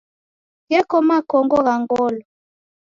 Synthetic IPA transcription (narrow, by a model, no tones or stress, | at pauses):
jɛkɔmakɔŋɡɔɣaŋɡɔlɔ